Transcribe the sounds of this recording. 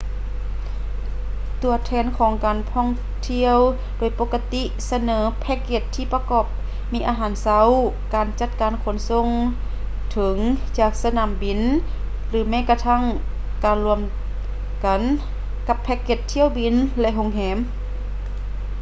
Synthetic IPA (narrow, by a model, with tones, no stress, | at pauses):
t̪u˨˩ɐt̪ʰɛː˧nkʰɔː˨˦ŋkaː˨nt̪ʰɔː˧˥˨ŋ | t̪ʰi˧əw | doː˨˩jpoː˧˥kːa˧t̪i˧˥ | sa˧nɤː˨˦pʰɛ˧˥kːe˧˩t̪ʰːiː˧˩pa˧kɔː˧˩p̚ | miː˧˥ʔaː˧ɦaː˨˧˦nsa˧˥w | kaː˨˩nt͡ɕa˧˥t̪̚kaː˨nkʰo˧˩˦nso˧˥˨ŋ | t̪ʰɤ˨˧˦ŋt͡ɕaː˧˩k̚sa˧naː˨˩˨mbi˨˩n | lɯː˨˩˦mɛː˧˥˨ka˧t̪ʰa˧˥˨ŋ | kaː˨nlu˧əm | ka˨˧n | ka˧pʰːɛː˧˥kːe˧˩t̪ʰːi˧˩ə˨wbi˨nlɛ˧ʔɦo˧˨ŋɦɛː˨˦m